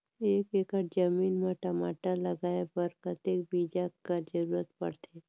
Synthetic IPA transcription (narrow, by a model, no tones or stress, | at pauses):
eːkekəʈd͡ʒɐmiːnmeʈɐmaːʈalɐɡaːebəɾkət̪eːk̚biːd͡ʒakəɾd͡ʒəɾuːɾət̪̚pɐ̰ɽt̪ʰeː